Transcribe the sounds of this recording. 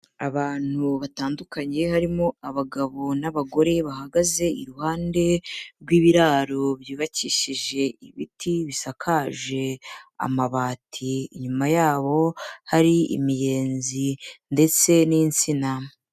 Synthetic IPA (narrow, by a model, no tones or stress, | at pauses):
aβaːn̥huβataːndukaɲe̞ɦaɾimo̞aβaɡaβo̞naβaɡo̞ɾe̞βaɦaɡaze̞ḭɾuhaːnde̞ɾɡwiːβiɾaːɾo̞βjiːβaciʃiʒe̞iβitʰiβisakʰaːʒe̞a̰maβaːtʰiːɲumajaːβo̞haɾiḭmije̞ːnzinde̞t͡se̞niːnt͡sina